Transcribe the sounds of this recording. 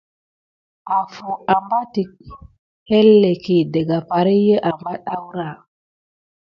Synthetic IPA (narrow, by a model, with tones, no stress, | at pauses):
a˨fu˨a˨mba˦ti˨k̚ | he˦lːe˨ki˨de˨ɡa˨pa˨ɾi˦jə˦ʔa˨mba˦ɗa˦wɾa˦˨